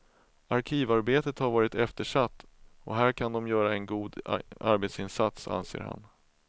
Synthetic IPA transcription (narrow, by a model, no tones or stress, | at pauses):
aɾkʰiːvaɾbeːt̪ət̪haɾvɑːɾɪt̪ɛft̪əʂat̪ːɔɦæːɾkʰand̪ɔmjœːɾaɛnɡuːd̪a̰ɾbeːt̪sɪnsat̪sa̰nsḛːɾha̰n